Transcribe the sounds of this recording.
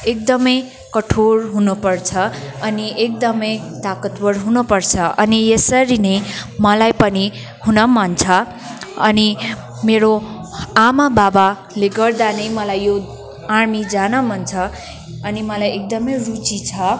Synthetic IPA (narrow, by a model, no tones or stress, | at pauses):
ek̚d̪ʌmʌj | kʌʈʰoɾɦunupʌrt͡sʰʌʌniʔek̚d̪ʌmʌjt̪akʌt̪bʌɾɦunʌpʌrt͡sʰʌʔʌnijesʌɾinʌjmʌlajpʌni | hunʌmʌnt͡sʰʌ | ʌni | meɾoamababa | leɡʌrd̪anʌjmʌlajːo | armid͡zanʌmʌnt͡sʰʌ | ʌnimʌlajek̚d̪ʌmʌjrut͡sit͡sʰʌ